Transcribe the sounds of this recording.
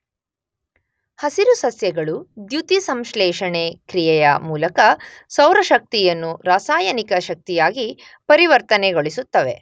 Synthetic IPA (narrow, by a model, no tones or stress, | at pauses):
hɐsiɾusɐsjɐɡɐɭud̪jut̪isɐmʃlɛːʃɐɳekɾijɛjɐ̰muːlɐkɐsɐwɾɐʃɐk̚t̪ijɐnːuɾaːsaːjɐnikɐʃɐk̚t̪ijaːɡi | pɐɾiʋɐɾt̪ɐneɡo̞ɭisut̪ːɐʋe̞